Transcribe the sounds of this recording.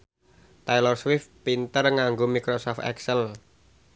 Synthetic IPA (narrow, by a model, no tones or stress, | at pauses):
t̪ajlɔrswɪfpint̪ərŋaŋɡomikɾosɔft̪ɛ̰ksəl